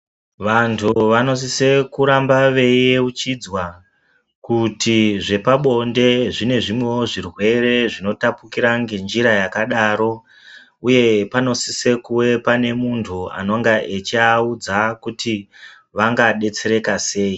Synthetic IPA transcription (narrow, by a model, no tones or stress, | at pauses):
ʋantʰuʋano̞s̬ise̞kuɾambaʋe̞eut͡ʃid͡zwa | kutiʐe̞paɓo̞nde̞ʐine̞ʐimwewoʐirwe̞re̞ʐino̞tapukiɾaŋɡe̞nd͡ʒiɾajakaɗaːɾo̞ | uje̞pano̞sise̞kuwe̞pane̞muntʰua̰no̞ŋɡaʔet͡ʃiaud͡zakuti | ʋaŋɡaɗe̞t͡se̞ɾe̞kase̞ːi